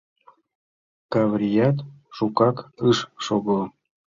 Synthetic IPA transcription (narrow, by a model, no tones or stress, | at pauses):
kɑβɾʲijɑt̪ʃukɑkɨʃʃoɣo